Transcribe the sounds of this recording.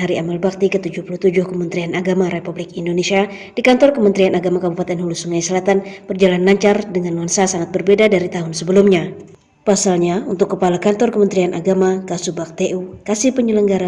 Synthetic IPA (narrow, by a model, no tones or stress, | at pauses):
ɦaɾiamalbak̚t̪ikət̪ud͡ʒʊhpuluht̪ud͡ʒʊhkəmənt̪ɾianaɡamaɾepublɪkindonesia | dikant̪ɔrkəmənt̪ɾianaɡamakabupat̪ɛnɦulusuŋajsəlat̪anb̥ərd͡ʒalanlaɲt͡ʃardəŋanwansasaŋat̪̚bərbedadaɾit̪aɦʊnsəbəlumɲa | pasalɲaunt̪ʊkːəpalakant̪ɔrkəmənt̪ɾianʔa̰ɡamakasubak̚t̪eʔukasipəɲələŋɡaɾa